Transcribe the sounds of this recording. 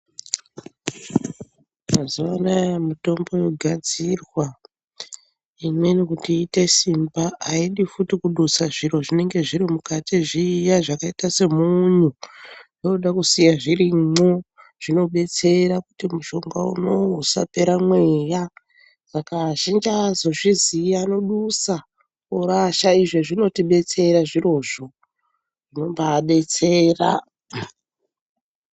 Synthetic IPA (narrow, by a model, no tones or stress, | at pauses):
kazuʋanajmito̞mbo̞joɡʱad͡zirwa | imwe̞nikutiːte̞simbaʔaiɗifutikuɗusaʐiro̞ʐine̞ŋɡe̞ʐiɾimukatʰiʐiːjaʐakaitase̞muɲujo̞uɗakusijaʐiriŋ͡ǀo | ʐ̥ino̞ɓe̞t͡se̞ɾakutimuʃo̞ŋɡaṵno̞sa̰pe̞ɾamweja | sakaʃind͡ʒazo̞ʐiziano̞ɗusa | uɾaʃaiʐeʐino̞tiɓe̞t͡se̞ɾaʐiro̞ʐo̞ | ʐ̥ino̞mbaɗe̞t͡seːra̰